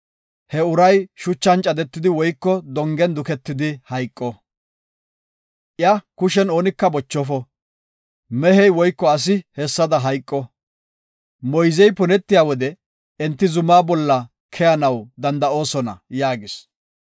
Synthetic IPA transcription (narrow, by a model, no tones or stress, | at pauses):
hɛʊɾɐjʃʊt͡ʃːɐnt͡ʃʼɐd̪ɛt̪ːɪd̪ɪwɔjkːɔd̪ɔŋɡɛnd̪ʊkɛt̪ːɪd̪ɪhɐjkʼːɔ | ʔɪjɐkʊʃɛno̞ːnɪkːɐbɔt͡ʃːɔfɔ | mɛɦɛjwɔjkːɔɐs̬ɪhɛsːɐd̪ɐɦɐjkʼːɔ | mɔjzɛjpʊnɛt̪ːɪjaːwɔd̪ɛ | ɛnt̪ːɪzʊmaːbɔlːɐ | kʰɛjɐnɐwd̪ɐnd̪ɐo̞ːsɔnɐ̰jaːɡɪs